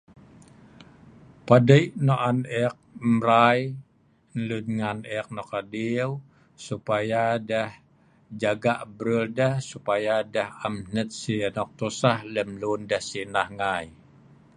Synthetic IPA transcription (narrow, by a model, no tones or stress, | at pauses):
padəjʔnoʔanɛk̚mɾaj | nlunŋanɛk̚nɔkadiw | supajadəh | d͡ʒaɡaʔbɾəldəhsupajadəhamnət̪̚sinɔk̚t̪usahləmlundəhsinahŋaj